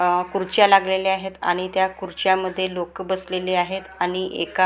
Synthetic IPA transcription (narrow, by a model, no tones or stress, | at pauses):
kuɾt͡ɕjalaɡleleaɦet̪a̰ɽ̃it̪jakuɾt͡ɕjaməd̪ʱːjelokbəsleleaɦet̪aɽ̃iʔḛka